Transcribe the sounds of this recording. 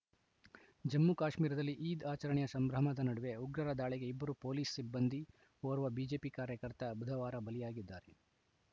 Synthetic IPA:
d͡ʒɐmːukaːʃmiːɾɐd̪ɐlːiʔiːd̪aːt͡ʃɐɾɐɳjɐsɐmbɾɐɦmɐd̪ɐnɐɽuʋe̞uɡɾɐɾɐd̪aːɭiɡe̞ibːɐɾupoːliːssibːɐnd̪ʱi | oːɾuʋɐbiːd͡ʒe̞ːpikaːɾjɐkɐɾt̪ɐbud̪ʱɐʋaːɾɐbɐlijaːɡid̪ːaːɾe

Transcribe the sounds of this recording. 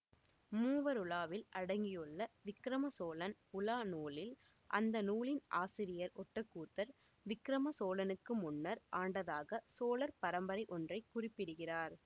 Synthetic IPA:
muːʋɐɾʊlaːʋɪlʔɐɽɐŋɡɪjɯɭːɐʋɪkːɾɐmɐsoːlɐnʊlaːnuːlɪl | ʔɐ̰nd̪ɐnuːlɪnʔa̰ːsɪɾɪjɐɾɔʈːɐkːuːt̪ːɐɾ | ʋɪkːɾɐmɐsoːlɐnɯkːɯmʊnːɐɾʔaːɳɖɐðaːɣɐsoːlɐɾpɐɾɐmbɐɾɐɪʔɔndrɐɪkːʊrɪpːɪɽɯɣɪraːɾ

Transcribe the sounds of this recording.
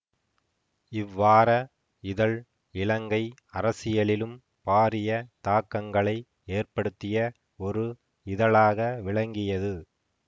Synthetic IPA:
ɪʋːaːɾɐ | ɪðɐɭ | ɪɭɐŋɡɐɪɐɾɐsɪjɐɭɪlɯm | paːɾɪjɐt̪aːkːɐŋɡɐɭɐɪ | eːrpɐɽɯt̪ːɪjɐ | ɔɾɯ | ɪðɐɭaːɣɐʋɪɭɐŋɡɪjɐðɯ

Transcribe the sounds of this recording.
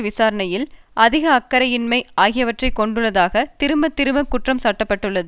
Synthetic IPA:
ʋɪsaːɾɐɳɐjɪl | ʔɐðɪɣɐːkːɐɾɐjɪnmɐɪaːɣɪjɐʋɐʈrɐɪkːɔɳɖɯɭːɐðaːɣɐt̪ɪɾɯmɐt̪ːɪɾɯmɐkʊʈrɐmsaːʈːɐpːɐʈːɯɭːɐðɯ

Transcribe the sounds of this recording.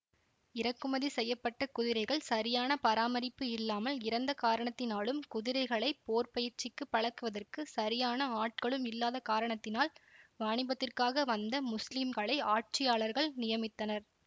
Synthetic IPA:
ɪɾɐkːɯmɐðisɛjːɐpːɐʈːɐkʊðɪɾɐɪɣɐɭsɐɾɪjaːnɐpɐɾaːmɐɾɪpːɯɪlːaːmɐlɪɾɐnd̪ɐkaːɾɐɳɐt̪ːɪnaːɭɯmkʊðɪɾɐɪɣɐɭɐɪpoːrpɐjɪɾt͡ʃɪkːɯpːɐɻɐkːɯʋɐðɐrkɯsɐɾɪjaːnɐaːʈ̚kɐɭɯmɪlːaːðɐkaːɾɐɳɐt̪ːɪnaːlʋaːɳɪbɐt̪ːɪrkaːɣɐʋɐnd̪ɐmʊslimɡɐɭɐɪaːʈ̚t͡ʃɪjaːɭɐɾɣɐɭnɪjɐmɪt̪ːɐnɐɾ

